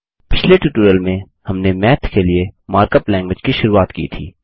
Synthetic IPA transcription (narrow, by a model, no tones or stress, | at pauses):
pɪt͡ʃʰleʈjuːʈuːɾəlmẽ | hɐmnemɛːt̪ʰkeliemaːɾkəplɛ̃ːŋɡʋɪd͡ʒkiʃʊɾuːaːt̪kḭːt̪ʰḭː